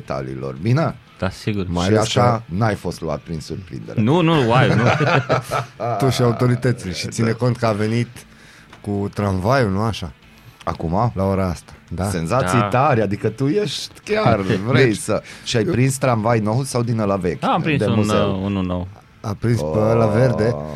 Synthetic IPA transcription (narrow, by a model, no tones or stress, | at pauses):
d̪et̪a̰lḭːlo̞̰rbine | d̪̥asiɡuɾmaiaʃanajfo̞st̪lua̰t̪̚pɾinsurpɾḭnd̪eɾenunuwajunu | t̪uʃiaut̪o̞ɾit̪ət̪sileʃit̪sineko̞nt̪̚kəavenit̪ | kut̪ɾanvajunuaʃa | akumalaoɾaast̪ḁd̪ase̞nzat̪sijt̪aɾʲad̪ikət̪ujeʃt̪ʲkʲarvɾejsəʃiajpɾinst̪ɾanvajnowsawd̪inəlavekʲampɾind̪emuzḛununow | apɾinspəəlaverd̪e